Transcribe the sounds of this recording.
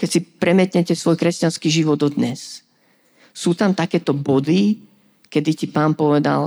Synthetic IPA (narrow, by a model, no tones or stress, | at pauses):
kɛcsipɾɛmɪɛt̪ɲɛcɛsʋɔjkɾɛscanskiʒiʋɔd̪ɔd̪ɲɛs | suːt̪amt̪akɛːt̪ɔbɔd̪i | kɛd̪icipaːnpɔʋɛd̪a̰l